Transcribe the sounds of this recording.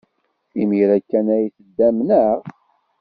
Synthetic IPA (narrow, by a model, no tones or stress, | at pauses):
imiɾækːænæjθəd̪ːæmnəʁ